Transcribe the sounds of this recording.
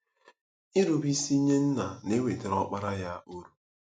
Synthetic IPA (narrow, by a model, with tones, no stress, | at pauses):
i˦ɾu˨bi˦si˦ɲe˦n̩˦na˨ne˦we˨te˨ɾɔ˦k͡pa˦ɾa˦ja˦o˦ɾu˨